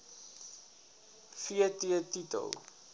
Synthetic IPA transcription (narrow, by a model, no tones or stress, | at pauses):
fiətiətitə̰lˠ